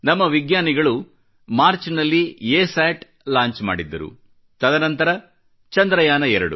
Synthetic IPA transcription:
nɐmːɐʋiɡɲaːniɡɐɭu | maːɾt͡ʃnɐlːieːsaːʈ | laːɲt͡ʃma̰ːɽid̪ːɐ̰ɾṵ | t̪ɐd̪ʱɐnɐnt̪ɐɾɐ | t͡ʃɐnd̪ɾɐjaːnɐɛɾɐ̰ɽṵ

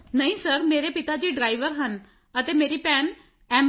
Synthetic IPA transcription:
nəĩːsəɾmeːɾeːpɪt̪aːd͡ʒiːɖɾaːɪʋəɾɦən | ət̪eːmeːɾiːpɛːn | ɛːm

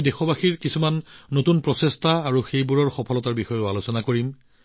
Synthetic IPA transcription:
dexɔbaxiɹkisumanːotunpɹɔsestaːɹuxejbuɹɔɹxɔpʰɔlɔtaɹbixɔjoalosɔnakoɹim

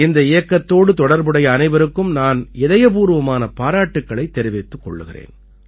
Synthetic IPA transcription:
ɪnd̪ɐɪjɐkːɐt̪ːoːɽɯt̪ɔɽɐɾbɯɽɐjɐːnɐɪʋɐɾɯkːɯmnaːnɪðɐjɐpuːɾɯʋɐmaːnɐpaːɾaːʈːɯkːɐɭɐɪt̪ːɛɾɪʋeːt̪ːɯkːɔ̰ɭːɯɣɪrḛːn

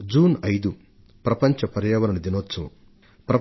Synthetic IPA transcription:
d͡ʒuːnɐjd̪u | pɾɐpɐɲt͡ʃɐpɐɾjɐːʋɐɾɐnɐd̪inoːt̪sɐʋɐ̰ | pɾɐ

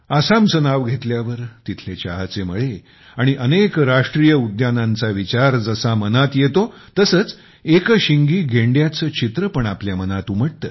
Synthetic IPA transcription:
asamt͡sənaʋɡʱet̪ljaʋəɾt̪it̪ʰlet͡ɕa̰ɦat͡seməɭe | aɽ̃iʔənekɾaʂʈɾijəud̪janãnt͡saʋit͡ɕaɾd͡zəsamənat̪jet̪ot̪əsəːt͡s | ekəɕiŋɡiːɡʱeɳɖjat͡sət͡ɕit̪ɾəpəɳapljamənat̪ũːm̤əʈ̚t̪əː

